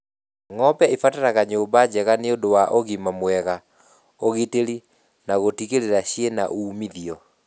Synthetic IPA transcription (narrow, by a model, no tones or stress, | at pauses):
ŋɔpɛefataɾaɣaɲoːmbad͡ʑɛɣaneodowaʔoɣimamwɛɣa | oɣiteɾi | naɣotiɣeɾeɾaɕiena̰ʔuːmiðiɔ